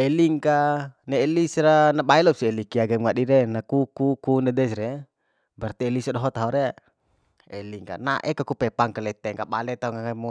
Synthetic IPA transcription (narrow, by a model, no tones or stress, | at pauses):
ɛliŋkanɛːlisɾanabailɔpsiɛlikiaɡemuŋadiɾɛnakukukunɛdɛsɾɛ | bart̪iːlisadɔɦɔt̪aɦɔɾɛ | ɛliŋka̰na̰ʔɛkakupɛpaŋkalɛt̪ɛŋkabalɛt̪auŋaŋamɔ